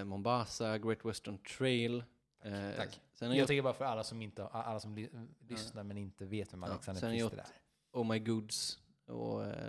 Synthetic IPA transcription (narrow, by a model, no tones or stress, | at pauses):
mɔmbaːsaɡɾeːt̪ʰwɛst̪ənt̪ʰɾejlʰ | asɛnhaɾɪjɑɡɔt̪akəbɑːɾafœɾalːasɔmɪnt̪əaʔa̰lːasɔmlʏsnaɾmɛnɪnt̪əveːt̪vɛmaɛksand̪əsɛnɾɾɔt̪ːɾ | olmaɪɡʊd̪s | ɔ̰